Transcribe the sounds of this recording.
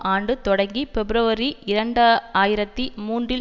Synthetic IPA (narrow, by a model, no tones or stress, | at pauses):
ʔaːɳɖɯt̪ɔɽɐŋɡifɛbɪɾɐʋɐɾiʔɪɾɐɳɖɐaːjɪɾɐt̪ːimuːndrɪ